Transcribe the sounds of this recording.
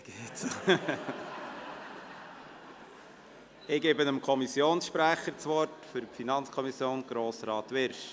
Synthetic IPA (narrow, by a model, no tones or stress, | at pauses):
ɡ̥eːts | ɪɡ̥eːbənəmkʰɔmisjoːnsʃpɾæχəɾt͡sʋɔɾtfʏɾpfinɑnt͡skʰɔmisjoːnɡ̥ɾoːsɾɑːtʋɪɾʃ